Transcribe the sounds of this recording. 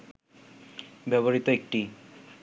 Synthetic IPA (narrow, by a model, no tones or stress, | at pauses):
bɛβoɾit̪oek̚ʈi